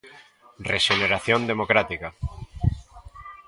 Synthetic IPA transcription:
reʃeneɾaθjond̪emokɾat̪ika

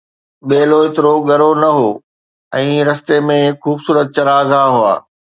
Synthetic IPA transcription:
ɓeːloɪt̪ɪɾoɡɐɾonɐɦoː | ɛ̃ːɾɐst̪emẽxuːbsuːɾət̪̚t͡ɕɐɾaːɡʱaːɦʊa̰ː

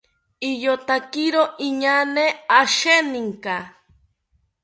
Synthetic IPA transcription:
ijot̪akiɾoʔiɲaneaʃeniŋka

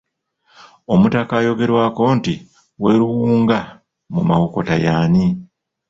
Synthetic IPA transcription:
o̞mutakaːjo̞ɡe̞ɾwaːko̞nti | we̞ːɾuwuːŋɡa | mumawoko̞tajaːni

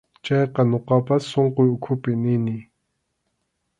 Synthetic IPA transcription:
t͡ɕajqənoqapasʰoŋqeokʰopineni

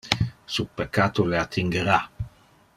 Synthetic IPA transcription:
supekːaːt̪oleat̪ʰːiŋɡeɾa

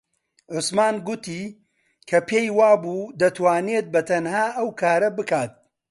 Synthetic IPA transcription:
ʕʊsmaːnɡʊt̪iː | kʰɐpʰeːjwaːbuːd̪ɐt̪ʰwaːneːt̪̚bɐt̪ʰɐnhaːʔɐwkʰaːɾɐbɨkaːt̪̚

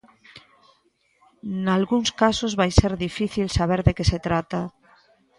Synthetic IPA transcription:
nalɣuŋskasozβajseɾðifiθilsaβ̞eɾðekeset̪ɾat̪a

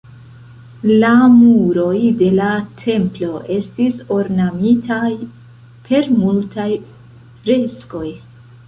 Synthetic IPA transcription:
lamuɾo̞jde̞latʰe̞mplo̞ʔe̞stiso̞ɾnamitʰaj | pʰe̞ɾmultaj | fɾe̞sko̞j

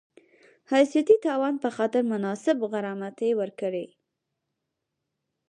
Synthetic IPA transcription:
hasjat̪it̪ɑwɑnpəxɑt̪ɪɾmʊnɑsɪbɣaɾɑmat̪ewəɾkəɽe

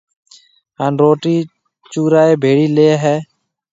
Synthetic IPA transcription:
ɦaːnɾoːʈiː | t͡ʃuːɾaːeːbʱeːɽiːleːɦɛː

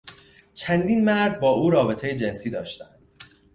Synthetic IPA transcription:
t͡ʃʰænd̪iːnmæɾd̪̚bɒːʔuːɾɒːbe̞t̪ʰejed͡ʒe̞nsiːd̪ɒːʃt̪ænd̪̥

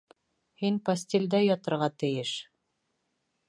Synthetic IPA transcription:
hinpɐsʲtʲelʲd̪æjɒt̪ɤ̆ɾʁɑt̪ɘ̆jɘʃ

